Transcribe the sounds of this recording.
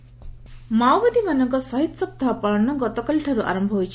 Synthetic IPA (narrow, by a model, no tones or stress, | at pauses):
mawbad̪imanɔŋkɔsɔɦit̪sɔp̚d̪ʱapaɭnɔɡɔt̪ɔkɔlʈʰɔɾuʔa̰ɾɔmbʱɔɦojt͡ʃʰi